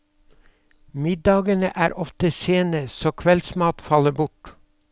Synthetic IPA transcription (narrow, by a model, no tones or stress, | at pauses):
mɪd̪ɑːɡənə̰ʔæːɾʔɔft̪əseːnəsoːkʰʋɛlsmɑːt̪fɑləbʊʈ